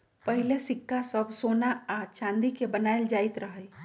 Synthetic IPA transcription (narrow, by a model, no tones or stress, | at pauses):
pəɦilesɪkːasəbʱsoːnaːt͡ʃãːnd̪ikebənaɪld͡ʒaːɪt̪ɾəɦəɪ